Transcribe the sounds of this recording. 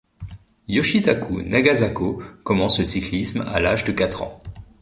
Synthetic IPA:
jɔʃit̪akunaɡazakokɔmɑ̃sləsiklisma̰laʒd̪əkat̪χɑ̰̃

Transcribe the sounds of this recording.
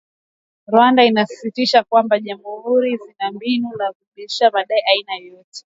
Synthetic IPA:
ɾwandainasi̥sitiʃakwambaʄambɔhuɾizinambinunavuɓiʃamaɗaiʔainajɔtɛ̥

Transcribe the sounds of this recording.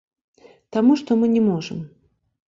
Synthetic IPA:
t̪amuʂt̪ɔmɨnʲɛmɔʐɨ̰m

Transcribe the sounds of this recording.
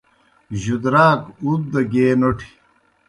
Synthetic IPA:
ʑud̪ɾaːkut̪̚d̪ɐɡeːnoʈʰi̥

